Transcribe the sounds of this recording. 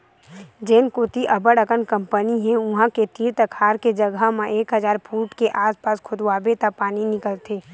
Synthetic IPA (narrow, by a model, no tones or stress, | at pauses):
d͡ʒeːnkoːt̪iʔɐbəɽəkənkə̃mpəniɦɛ̃ʊ̃ɦãket̪iːɾt̪əkʰaːɾked͡ʒəɡəɦmẽʔeːkɦəzaːɾpʰuːʈkeʔaːspaːskʰʊd̪waːbet̪apaːninɪkəlt̪ʰeː